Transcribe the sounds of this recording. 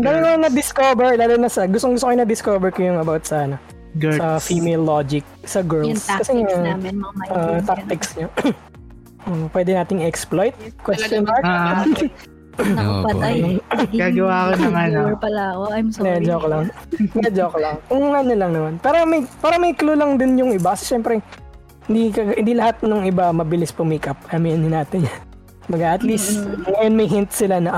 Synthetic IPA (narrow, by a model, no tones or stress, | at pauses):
d̪aːbɪkojʊŋnɐd̪ɪskoːbɛɹlaːlonɐsɐɡʊst̪oŋɡʊst̪okːojnɐd̪ɪskoːbɛɹkɐjʊŋɐbawt̪̚sanɐ | sɐfimɛjlːod͡ʒɪk̚ | sɐɡɛɹlskɐsɛŋa | ʔoʔt̪ak̚t̪ɪksɲo | ʔoːʔpwɛːd̪ɛnaːt̪ɪŋɛksplojt̪̚kwɛsɔnaɹ | pɐt̪aɐɡaɡɐwakonɐmapɐlɐɐkomɛd͡ʒoklɐŋnɛd͡ʒoklɐŋkʊŋŋɐnɐlɐŋnɐmanpɛːɾɐmɐjpaːɾɐmɐjklulɐŋd̪ɪnjʊŋɪbakɐsɛ̥ʃɛmpɾɛ | hɪnd̪ikɐɡhɪnd̪ilɐhat̪̚nʊŋɪbamɐbɪlɪspʊmikɐp̚ʔɐmiɐnɪnaːt̪ɪɲ | bɐɡaʔɐt̪list̪ŋɐjonmɐjɦɪnt̪sɪlanɐʔ